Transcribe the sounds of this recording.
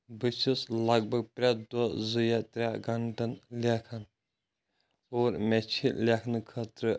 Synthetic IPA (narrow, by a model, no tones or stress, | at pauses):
bɨt͡ʃʰislɐɡ̚bɐɡ̚pɾʲad̪ɔzɨjat̪ɾʲaɡɐɳɖɐnlʲekʰɐn | oːɾmɛt͡ʃʰilʲekʰnɨkʰɐt̪ɾɨ